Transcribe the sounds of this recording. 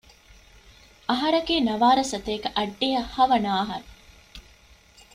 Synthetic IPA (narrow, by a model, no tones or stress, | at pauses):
ɐɦɐɾɐɡeːnɐʋaːɾɐsɐt̪eːkɐʔɐɖːejɐhɐʋɐnaːɦɐɾu